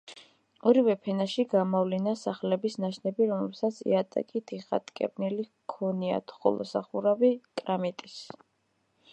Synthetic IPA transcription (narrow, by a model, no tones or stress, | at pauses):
ɔɾivɛpʰɛnaʃiɡamɔvlinasaχlɛbisnaʃnɛbiɾɔmlɛ̰bsat̪sʰḭat̪ʼa̰kʼit̪ʰiχa̰t̪ʼkʼɛ̰ɾnɛli | kʰɔnia̰t̪ʰχɔ̰lˠɔ̰saχuɾavikʼɾamit̪ʼis